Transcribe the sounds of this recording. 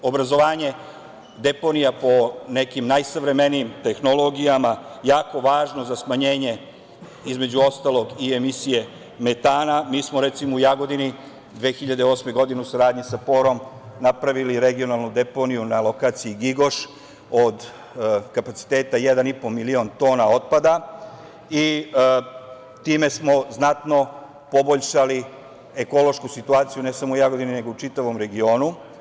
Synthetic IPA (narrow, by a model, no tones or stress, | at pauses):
o̞bɾazo̞ʋaːɲe̞ | d̪e̞po̞nijapo̞ne̞kimnajsaʋɾe̞me̞nijimt̪e̞xnolo̞ɡijamajaːko̞ʋaːʒno̞zasmaɲe̞ːɲe̞ | izme̞d͡ʑuo̞st̪alˠo̞ɡiemisije̞ | met̪aːnamiːsmoɾet̪simoujaɡo̞d̪ini | d̪ʋe̞ːxiʎad̪eo̞ːsme̞ɡo̞d̪ineusaɾaːd̪ɲisapo̞ːɾo̞m | napɾaʋiliɾe̞ɡio̞nalˠnud̪e̞po̞nijunalˠo̞kaːt̪siiɡiɡo̞ʃ | od̪ | kapat̪si̥t̪e̞ːt̪aje̞d̪anipomilio̞nt̪o̞ːnao̞t̪̚pad̪a | i | t̪iːme̞smo̞znat̪no̞ | po̞boʎʃali | eko̞lo̞ʃkusit̪uaːt̪sijune̞samoujaɡo̞d̪inine̞ɡo̞ut͡ʃit̪aʋo̞mɾe̞ɡio̞ːnu